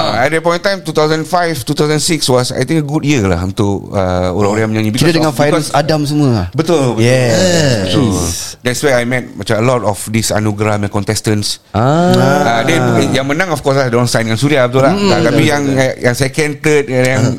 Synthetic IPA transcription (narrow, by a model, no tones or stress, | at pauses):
aɛt̚dəpɔ̃j̃nt̪ãjmt̪ut̪awzə̃nfajft̪ut̪awzənsikswɔsa̰jt̪ĩŋkəɡudjiəla̰hunt̪ʊʔəo̰ɾãŋoɾãŋjãmə̃ɲãɲibikiɔɾədəŋãnfakɔsadams̬əmũəbət̪ʊlbəɛbət̪udɛtswajajmɛt̚mat͡ʃaəlɔtɔfdisa̰nuɡɾamɛ̃nkɔ̃nt̪ɛstə̃ns | aadɛ̃ijãŋmə̃nãŋɔfkɔs̬lahdɔ̃nsãj̃ndəŋãnsuɾiabət̪ulaak̪amijaŋjãŋsajakɛnt̪ət̚jãŋ